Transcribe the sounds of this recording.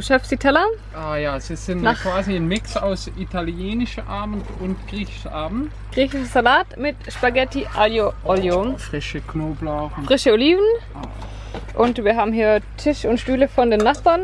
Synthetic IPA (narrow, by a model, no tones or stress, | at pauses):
ʃafsd̥iːtʰɛlɐ | ʔaːjaːz̥iːz̥ɪntnaχkv̥aːziɪnmɪksaʊsitʰaljeːnɪʃɐʔaːmn̩tʊntɡ̥ʁiːçʔaːbn̩t | ɡ̥ʁiːçɪʃz̥alaːtmɪtʃpaɡɛtiʔaljoʔɔljoːnfʁ̥ɪʃəknoːblaʊʁn̩fʁ̥ɪʃəoliːvn̩ʔaː | ʔʊntv̥iːɐɦaːbm̩hiːɐtʰɪʃʊntʃtyːləfɔndeːnːaχb̥an